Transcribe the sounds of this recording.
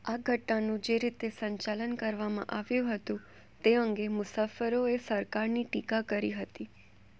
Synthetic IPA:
aɡʱəʈnanũd͡ʒeɾit̪esəɲt͡ʃalənkəɾʋamã̰ʔaʋjũɦət̪ũ | t̪eəŋɡemʊsafəɾoesəɾkaɾniʈikakəɾiɦət̪i

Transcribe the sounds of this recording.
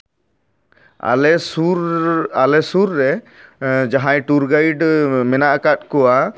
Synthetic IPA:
a̰lɛsuɾalɛsuɾːɛ | d͡ʒaɦãjʈuɾɡajɖmɛnaʔkat̪̚kɔwa

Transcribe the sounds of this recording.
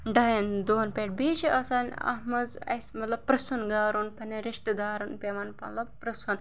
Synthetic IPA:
ɖɐjind̪oːnpeʈ̚beːʃiɐsaːnʲɐ̰ɦmɐzɐ̰smɐt̪lɐb̚pɾɐsunɡaːɾunpɐneɾɪʃt̪ɐd̪aːɾunpeːmɐnmɐ̰t̪lɐbpɾɐsun

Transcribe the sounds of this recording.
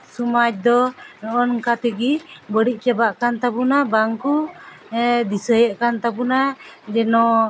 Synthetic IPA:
sumat͡ʃ̚d̪ɔnɔʔɔnkat̪əɡibəɽic̚t͡ʃabaʔkant̪abunabaŋku | d̪isəjəʔkant̪abunad͡ʒɛnɔ

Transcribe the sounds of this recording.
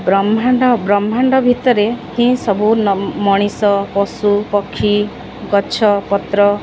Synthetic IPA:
bɾɔmaɳɖɔbɾɔmʱaɳɖɔbʱit̪ɔɾehĩsɔbunmɔɽ̃isɔpɔsupɔkʰːi | ɡɔt͡ʃʰɔpɔt̪ɾɔ

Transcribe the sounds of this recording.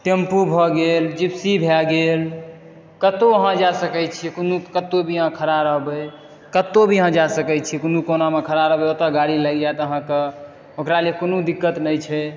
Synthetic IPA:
t̪empubʱɔɡeld͡ʒipsibʱɛɡel | kət̪oəɦãd͡ʒasəkɛt͡ʃʰikonukət̪obʱiəɦãkʰəɾaɾəɦbəj | kət̪obʱiəɦãd͡ʒasəkɛt͡ʃʰikunukonamekʰəɾaɾəɦbɛot̪aɡaɽiləɡd͡ʒaet̪əɦãke | okɾalekonod̪ikːət̪nəjt͡ʃʰɛ

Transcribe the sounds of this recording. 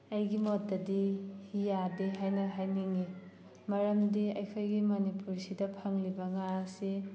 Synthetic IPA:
ɐjɡimot̚dɐdihijadiɦajnɐɦajniŋi | mɐɾɐmdiɐjkʰojɡimɐnipuɾsidɐpʰɐŋlibɐŋasi

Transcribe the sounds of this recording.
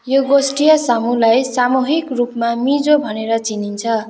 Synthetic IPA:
joɡosʈijʌsamulajsamuɦikrupmamid͡zobʱʌneɾʌt͡sinint͡sʰʌ

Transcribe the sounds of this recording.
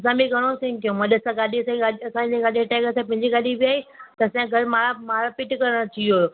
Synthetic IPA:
ɐs̬ãbiɡʱɐɽ̃osẽŋk̪ijõmãɗɐsãɡaːɗiɐsãɡaɗiɐsãẽɡaːɗeʈaːkəsãpɐ̃ɦɪ̃ɲd͡ʑiɡaːɗibiaːet̪ɐsãɡʱɐɾmamaːɾpɪʈkɐɾəɽ̃t͡ɕɐioːo

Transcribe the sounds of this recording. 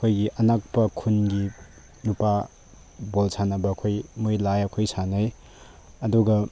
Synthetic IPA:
kʰojɡiʔɐnak̚pɐkʰunɡi | nupa | bolsʰanɐbɐkʰojmujlajɐkʰojsʰanɐj | ɐduɡɐ

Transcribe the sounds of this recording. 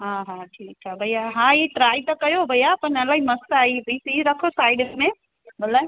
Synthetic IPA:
ɦãɦãʈʰikt͡ʃʰabʱəjaɦãiʈɾajt̪əkəjobʱəjapənəlaiməst̪aibisiɾəkʰosajɖesme | bəlːə

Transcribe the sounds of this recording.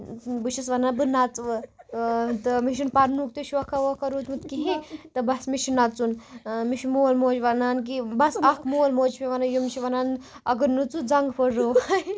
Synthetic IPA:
bɨʃisʋɐnanbɨnat͡sʋə | t̪əmiʃ̬unpaɾnuk̚t̪eʃʋɐkʰaʋokɐɾuːt̪mut̪kiɦet̪ɐbɐsmiʃinat͡sunmiʃimolmoːt͡ʃʋanank̬ibɐsɐkʰmulmoːt͡ʃpiʋanajomit͡ʃʰiʋɐnanɐɡənːut͡sud͡zaŋɡpəɾoʋaj

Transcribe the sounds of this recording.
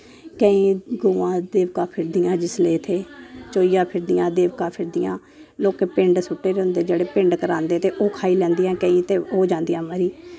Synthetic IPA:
kəĩːɡoːãːd̪eːʋkãːpʰɪɾd̪ɪjãːd͡ʒɪsleːt̪ʰeːt͡ʃoːiːjãːpʰɪɾd̪ɪjãːd̪eːʋkãːpʰɪɾd̪ɪjã̰ː | loːkeːpɪɳɖsʊʈːeːɾɦʊ̃nd̪eːd͡ʒeːɽeːpɪɳɖkəɾaːnd̪eːt̪eːʔoːkʰaːiːlɛ̃ːnd̪ijãːkə̃ĩːt̪eːoːd͡ʒãːnd̪ijãːməɾiː

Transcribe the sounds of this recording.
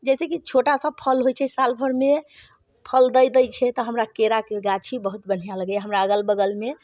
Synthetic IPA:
d͡ʒɛsekit͡ʃʰoʈasəb̚pʰəlɦojt͡ʃʰɛsalbʰʱəɾme | pʰəld̪əjd̪əjt͡ʃʰɛt̪ɔɦəmɾakeɾakeɡat͡ʃʰibəɦut̪̚bən̤jaləɡɛɦəmɾaəɡəlbəɡəlme

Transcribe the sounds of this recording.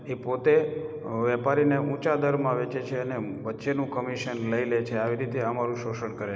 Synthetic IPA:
epot̪e | ʋɛpaɾineũt͡ʃad̪əɾmãʋet͡ʃet͡ʃʰeəneʋətːʃenũkəmiʃənləilet͡ʃʰeaʋiɾit̪eəmaɾũʃoʃəɳkəɾe

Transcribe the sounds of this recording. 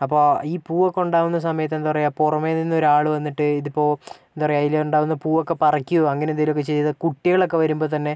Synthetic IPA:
ɐpːo̞ːiːpuːokːeuɳɖaːʋunːɐs̬ɐmɐjɐt̪ːend̪uʋɐrejɐpurɐmeninːo̞ɾuaːɭɨʋɐnːiʈːɨiðipːo̞ːend̪uʋɐrɐjɐjileuɳɖaːʋunːɐpuːokːe̞pɐrɐkʲːuɐŋːɐnend̪eilok̬ːet͡ɕejɐðɨkuʈːiɣɐɭo̞kːe̞ʋɐɾumbo̞ːt̪̬ɐnːe̞

